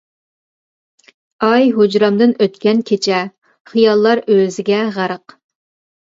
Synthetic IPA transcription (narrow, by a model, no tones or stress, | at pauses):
ɑjɦod͡ʒɾɑmd̪ɨnøt̪kʲɛnkʲʰet͡ʃʰɛ | χijɑlˠːɑɾøzɪɡʲɛʁəɾəq